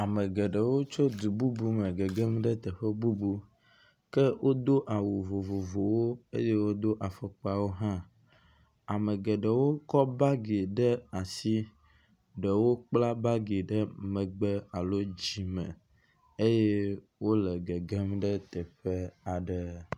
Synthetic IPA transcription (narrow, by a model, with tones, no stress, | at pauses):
a˨mə˨ɡɛ˨ɖə˨wo˦t͡ʃo˦d̪u˨bu˦bu˦mə˨ɡɛ˨ɡɛ˦mɖə˦t̪ə˨ɸɛ˦bu˦bu˦ | kɛ˦wʔo˦d̪o˦ʔa˨wu˨vo˨vo˨vo˨wo˦ḛ˦je˦wo˦d̪o˦ʔa˨fɔ˦k͡pa˦wo˦ɦã˦ | a˨mə˨ɡɛ˨ɖə˨wo˦kɔ˦ba˦ɡe˨ɖə˦a˨si˦ | ɖə˨wo˦k͡pla˦ba˦ɡe˨ɖə˦mə̃˨ɡ͡bɛ˦a˨lo˦d͡ʑi˦mə̰̃˨ | e˦je˦ | wo˦lɛ˨ɡɛ˨ɡe˦mɖə˦t̪ɛ˨ɸe˦a˨ɖə˨